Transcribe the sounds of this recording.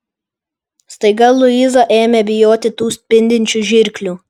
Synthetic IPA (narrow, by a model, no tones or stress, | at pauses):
st̪ɐɪɡɐlˠʊizɐʔeːmʲebʲɪjoːt̪ʲɪt̪uːsʲt̪ʲpʲɪnʲd̪ʲɪnʲt͡ʃʲuʒʲɪɾʲklʲuː